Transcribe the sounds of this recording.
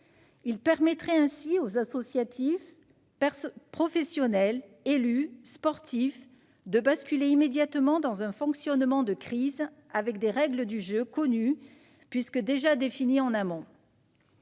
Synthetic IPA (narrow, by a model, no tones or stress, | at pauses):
ilpɛʁmɛt̪χɛɛ̃siozasɔsjat̪ʰif | pχɔfɛsjɔnɛl | elyspɔʁt̪if | d̪əbaskʲyleimed̪jat̪mɑ̃d̪ɑ̃zɛ̃fɔ̃ksjɔnmɑ̃d̪əkχiz | avɛkd̪eʁɛɡləd̪yʒøkɔny | pɥiskəd̪eʒad̪efiniɑ̃namɔ̃